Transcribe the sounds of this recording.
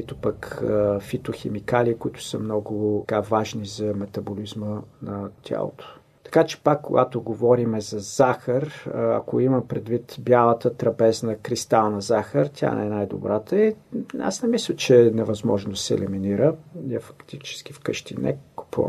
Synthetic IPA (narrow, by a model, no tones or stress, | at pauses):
it̪ʊpəkəfit̪oxɛmikaliːkʊit̪ʊ̥səmnɔɡʊkavaʒnizɐmɛt̪ɐbolizmənɐt̪ʲja̰lˠo̰t̪ʰo̥ | t̪ɐ̥kat͡ʃɛ̥pakːo̰ɡat̪oɡovɔɾimɛzɐz̥axəɾɐ̰koimɐmpɾɛd̪vit̪bjalˠət̪ət̪ɾɐbɛznəkɾist̪alˠnɐzaxəɾt̪ʰʲa̰nɛnajd̪o̰bɾat̪əia̰snɛmislʲət͡ʃɛnɛvɐzmɔʒnod̪sɛ̰liminiɾəɛfɐ̥kt̪it͡ʃɛ̥sk̟ifkəʃt̪ḭnɛ̰kʊ̥puə̰m